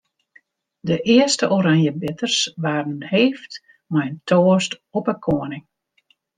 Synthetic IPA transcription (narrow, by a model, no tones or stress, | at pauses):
dəʔɪəstəʔoɾaŋjəbɪtərsʋaːrənheːft | mɛjəntʰoːstɔpəkʰoənɪŋ